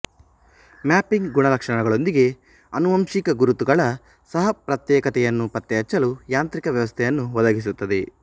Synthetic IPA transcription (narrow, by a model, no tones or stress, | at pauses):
maːpːiŋɡɡuɳɐlɐkʂɐɳɐɡɐɭo̞nd̪iɡe̞ | ɐnuʋɐmʂikɐɡuɾut̪uɡɐɭɐ | sɐɦɐpɾɐt̪jɛːkɐt̪ɛjɐnːupɐt̪ːɛɦɐt͡ʃːɐlujaːnt̪ɾikɐʋjɐʋɐst̪ʰɛjɐnːuʋɐd̪ɐɡis̬ut̪ːɐd̪e̞